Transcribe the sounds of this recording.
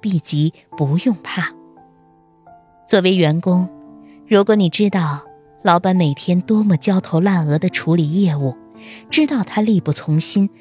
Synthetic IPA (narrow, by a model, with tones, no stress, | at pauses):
pi˥˩t͡ɕi˧˥ | pu˧˥jʊ˥˧ŋpʰa˥˩ | t͡swɔ˥˩we˧˥ɪɥɛ˧˥nkʊ˥ŋ | ɻu˧˥kwɔ˧˥ni˨˩ʈ͡ʂɻ̩˥t̪ɑ˥˩ʊ | lɑ˧˥ʊpa˧˥˩nme˨˩ɪt̪ʰjɛ˥nt̪wɔ˥mə˨t͡ɕjɑ˥ʊt̪ʰo˧˥ʊla˥˩nɤ˧˥d̪ə˧ʈ͡ʂʰu˧˥li˨˩jɛ˥˧u˥˩ | ʈ͡ʂɻ̩˥t̪ɑ˥˩ʊt̪ʰa˥li˥˧pu˥˩t͡sʰʊ˧˥ŋɕi˥n